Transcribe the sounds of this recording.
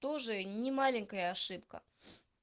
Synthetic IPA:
t̪oʐɨnʲɪmalʲɪnʲkəjəːʂɨpkə̰

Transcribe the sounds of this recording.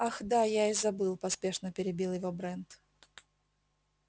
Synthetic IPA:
axd̪ajaɪzɐbɨlˠpɐspʲe̞ʂnəpʲɪɾʲɪbʲilˠjɪvobɾɛnt̪

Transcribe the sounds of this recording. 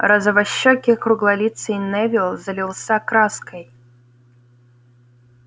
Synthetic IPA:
ɾɐzɐvɐɕːɔkʲɪkɾʊɡlˠɐlʲit̪sɨinɛvʲɪlˠzɐlʲɪlˠsʲakɾaskəj

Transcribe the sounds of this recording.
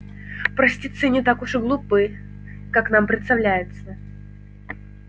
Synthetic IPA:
pɾəsʲtʲit̪sɨnʲɪt̪akʊʂɡlˠʊpɨ | kaknampɾʲɪt̪st̪ɐvlʲæjʊt̪sə

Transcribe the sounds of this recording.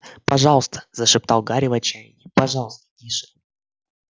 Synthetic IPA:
pɐʐɑlˠəst̪ə̥zəʂɨp̚t̪ɑlˠɡaɾʲɪvɐt͡ɕæjɪnʲɪpɐʐɑlˠəst̪ə̥d̪ʲiʂɨ̥

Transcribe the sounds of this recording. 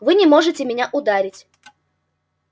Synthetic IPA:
vɨnʲɪmo̞ʐɨtʲɪmʲɪnʲaʔʊd̪aɾʲɪtʲ

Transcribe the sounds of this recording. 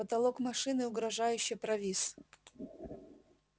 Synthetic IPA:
ɐt̪ɐlˠokmɐʂɨnɨʊɡɾɐʐajʉɕːɪpɾɐvʲis

